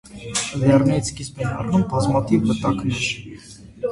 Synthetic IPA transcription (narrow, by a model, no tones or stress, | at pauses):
dɛrnɛit͡sʰkispɛnɑ̰rnumbɑzmɑt̪ʰivmət̪ɑkmɛʃ